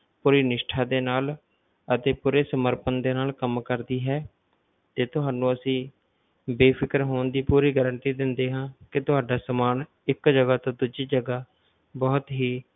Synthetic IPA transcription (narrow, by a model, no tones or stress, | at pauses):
puːɾiːnɪʃʈʰaːd̪eːnaːl | ət̪eːpuːɾeːsəməɾpənd̪eːnaːlkəmkəɾd̪iːɦɛː | t̪eːt̪ʊɦaːnũːəsĩː | beːpʰɪkəɾɦoːnd̪iːpuːɾiːɡəɾəɳt̪iːd̪ɪnd̪eːɦãːkɪt̪ʊɦaːɖaːsəmaːn | ɪkd͡ʒəɡaːt̪õːd̪uːd͡ʒiːd͡ʒəɡaː | bɔːt̪ɦiː